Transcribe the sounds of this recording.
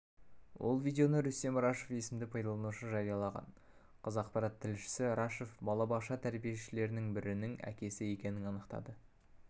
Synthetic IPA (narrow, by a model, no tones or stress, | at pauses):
wʔo̞̰lˠvʲijd̪ʲe̞o̞nəɾʏst̪e̞mɾɑʃe̞fe̞sɪmd̪ɪpʰɑjd̪ɑlˠɑnuʃəʒɑɾijɑlˠɑʁɑ̰n | qʰəzɑq̚pɑɾɑt̪ʰːɪlʃɪ̥sɪɾɑʃe̞fbɑlˠɑbɑqʃɑt̪ʰæɾbije̞ʃɪle̞ɾɪnɪŋbɪɾɪnɪŋæ̰kʲe̞sɪe̞kʲe̞nɪnɑnəqt̪ɑ̰d̪ə